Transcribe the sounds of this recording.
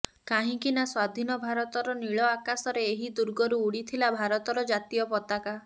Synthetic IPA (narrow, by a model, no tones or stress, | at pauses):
kaɦĩkinaswad̪ʱinɔbʱaɾɔt̪ɔɾɔniɭɔakasɔɾeːɦid̪uɾɡɔɾuːɽit̪ʰilabʱaɾɔt̪ɔɾɔd͡ʒat̪ijɔpɔt̪aka